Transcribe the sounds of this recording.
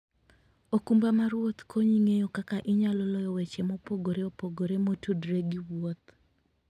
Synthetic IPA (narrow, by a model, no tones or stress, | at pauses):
okumbamaɾwot̪kʰoɲiŋejokakaʔɪɲalɔlɔjɔwet͡ʃemɔpoɡoɾeopoɡoɾemotudɾeɡiwwot̪